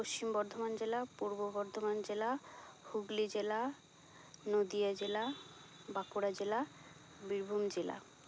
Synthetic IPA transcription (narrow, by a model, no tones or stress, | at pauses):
poʃt͡ɕimbɔɾd̪ʱomand͡ʑelapuɾbobɔɾd̪ʱomand͡ʑelahuɡlid͡ʑela | nod̪iad͡ʑela | bakuɾad͡ʑela | biɾbʱumd͡ʑela̰